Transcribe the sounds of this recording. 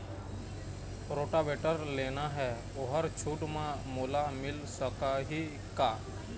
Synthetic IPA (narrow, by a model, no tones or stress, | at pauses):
ɾoːʈabeːʈəɾleːnaɦɛ | ʊɦəɾt͡ʃʰuːɖmãmʊːlamɪlsəkaɦi | kaː